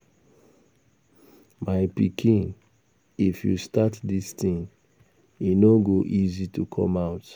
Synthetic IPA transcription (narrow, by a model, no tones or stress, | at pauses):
maɪpikʰĩn | ifjṵstatdistĩn | inoɡoʔizitukʰɔ̰maʊt